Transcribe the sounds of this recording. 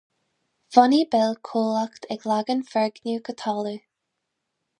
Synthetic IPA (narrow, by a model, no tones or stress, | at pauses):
v̥ɔnibɛlkʰoːlakt̪ʰɛɡlaɡənfɛɹɡnukʰət̪ʰɔːlu